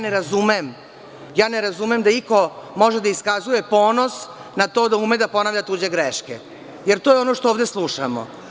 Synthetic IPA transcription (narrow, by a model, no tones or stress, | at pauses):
aneɾazumem | jaːneɾazumemd̪aiko̞mo̞ʒed̪aiskazuje̞po̞ːno̞snat̪oːd̪auːmed̪aponaːʋʎʲat̪uːd͡ʑeɡɾeʃkḛ | jeɾt̪ojeo̞no̞ʃt̪ooːʋd̪eslˠuʃamo̰